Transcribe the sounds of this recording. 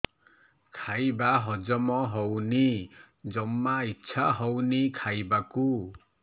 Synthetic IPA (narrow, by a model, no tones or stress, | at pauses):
kʰajbaɦɔd͡ʒɔmɔɦɔwni | d͡ʒɔmːaitːsʰaɦɔwnikʰajbaku